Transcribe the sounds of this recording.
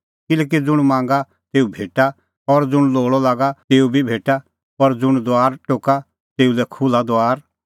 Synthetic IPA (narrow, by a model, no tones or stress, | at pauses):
kɪlɛːk̬id͡zʊɽ̃mãːŋɡa | t̪eːubʱeːʈa | ɔɾd͡zʊɽ̃loːɭɔlaːɡat̪eːubʱibʱeːʈa | pɐɾd͡zʊɽ̃d̪oaːɾʈoːka | t̪eːulɛkʰʊlad̪oaːɾ